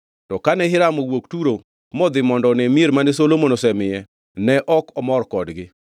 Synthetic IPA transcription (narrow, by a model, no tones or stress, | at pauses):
tɔkanɛhɪɾamowoktuɾo | mɔd̪ɪmɔndɔnɛmieɾmanesolomonosɛmɪjɛ | nɛʔɔkɔmɔɾkɔdɡɪ